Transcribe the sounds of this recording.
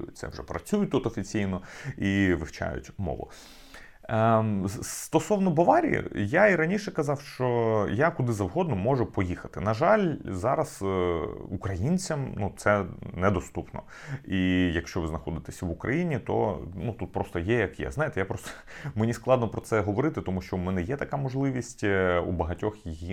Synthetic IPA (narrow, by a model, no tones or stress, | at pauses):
jt̪sɛ̰ʋʐɛ̰pɾɐt͡sʲujʊt̪ut̪ɔfʲit͡sʲijnɔiʋɪwt͡ʃa̰jʊ̰tʲmɔ̰ʋʊ̰ | st̪ɔsɔwnɔbɔʋɑɾʲḭjḭjaiɾɐnʲiʃɛkɐzɑwʃt͡ʃɔjakʊd̪ɪzɐwɦɔd̪nɔmɔʐʊpɔjixɐt̪ɪnɐʒɑlʲzɑɾɐs | ukɾɐjinʲt͡sʲɐmnut̪sɛnɛd̪ɔst̪upnɔ̰ | ijɐkʃt͡ʃɔʋɪznɐxɔd̪ɪt̪esʲɐʋʊkɾʔɐ̰jinʲit̪ɔ̰nut̪ut̪̚pɾɔst̪ɔjɛjɐkjɛ̰znɑjɪt̪ɛjapɾɔst̪ɔ̥ | menʲisklˠɑd̪nɔpɾɔt̪sɛɦɔʋɔɾɪt̪ɪt̪ɔmuʃt͡ʃɔumɛnɛjɛt̪ɐkamɔʒlˠɪʋʲisʲtʲṵbɐɦɐtʲɔxjiji